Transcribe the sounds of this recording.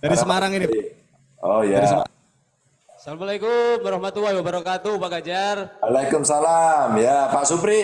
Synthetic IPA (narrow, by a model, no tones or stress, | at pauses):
daɾisəmaɾaŋini | ɔjaɾisəa | salamalajkʊmaɾahmat̪uwawabəɾakat̪uupaɡad͡ʒaralajkʊmsalamjapasupɾi